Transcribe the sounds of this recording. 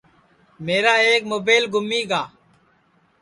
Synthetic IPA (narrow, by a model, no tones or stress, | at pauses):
meːɾaːeːk̚moːbeːlɡʱʊmːiːɡaː